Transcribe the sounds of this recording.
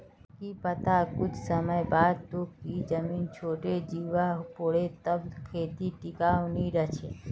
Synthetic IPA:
kipət̪akʊd͡ʒsəməjbaːd̪̚t̪oːkid͡ʒəmiːnt͡ʃʰoːʈed͡ʒiːʋaɦpoɽet̪əbkʰeːt̪iʈɪkaːniɾət͡ʃʰḛ

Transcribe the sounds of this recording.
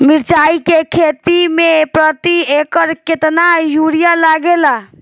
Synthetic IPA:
miɾt͡ʃaikekʰet̪imepɾət̪iekəɾket̪najuɾijalaɡela

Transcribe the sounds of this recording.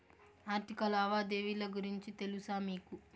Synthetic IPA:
aːɾt̪ikɐlaːʋaːd̪eːʋilɐɡuɾiɲt͡ʃit̪e̞lusaːmiːku

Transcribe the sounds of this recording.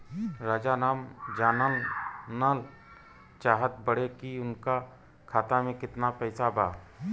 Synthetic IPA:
ɾaːd͡ʒanaːmd͡ʒaːnəlnaːl | t͡ʃaːɦət̪̚bəɽekiʊnka | kʰaːt̪amẽkɪt̪napɛːsabʱaː

